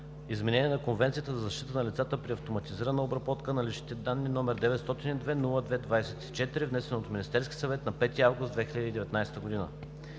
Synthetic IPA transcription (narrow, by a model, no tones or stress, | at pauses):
izmɛnɛnʲiɛnɐkonvɛnt̪siət̪əzɐzɐʃt̪it̪ənɐlit̪sat̪əpɾiɐft̪omɐt̪iziɾənəobɾɐbɔt̪kənɐlit͡ʃnit̪ɛd̪anːinɔmɛɾd̪ɛvɛt̪st̪ɔt̪inid̪vɛnulˠəd̪vɛd̪vajsɛt̪i̥t͡ʃɛt̪iɾivnɛsɛnot̪ominist̪ɛɾskʲi̥sɐvɛt̪nɐpɛt̪iavɡʊsd̪vɛxilʎəd̪iːd̪ɛvɛt̪najst̪əɡod̪inə̰